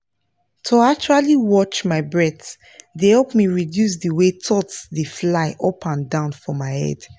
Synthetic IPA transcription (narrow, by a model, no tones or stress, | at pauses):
tʰuat͡ʃualiwɔt͡ʃmaɪbɹɛθ | dehɛlpmiɹidjus̬dəwetʰɔtsðəflaɪʔɔpʰãndãʊ̃nfɔmaɪhɛ̰d̥